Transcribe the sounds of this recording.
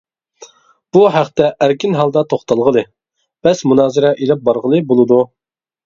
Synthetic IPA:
b̥uɦæχt̪ɛʔæɾkʲʰinɦɑlˠd̪ɑt̪ʰoχt̪ɑlˠʁəlˠɨ | b̥ɛsmunɑːzɪɾɛʔelɪp̚bɑɾʁəlˠɨbolˠɨd̪u

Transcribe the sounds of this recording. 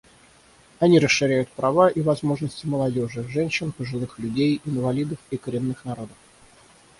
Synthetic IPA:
ɐnʲiɾəsʂɨɾʲæjʊt̪̚pɾɐvaʔivɐzmo̞ʐnəsʲtʲɪməlˠɐdʲo̞ʐɨʐɛnʲɕːɪnpəʐɨlˠɨxlʲʉdʲejɪnvɐlʲid̪əfikəɾʲɪnːɨxnɐɾo̞d̪əf

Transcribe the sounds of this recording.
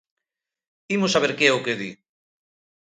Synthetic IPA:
imosaβeɾkeɛʊkeðḭ

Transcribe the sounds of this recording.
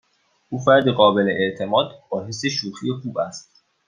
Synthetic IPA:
ʔuːfæɾd̪iɣɒːbe̞leʔeʔt̪ʰe̞mɒːd̪b̥ɒːhe̞sːe̞ʃuːxijexuːbæst̪

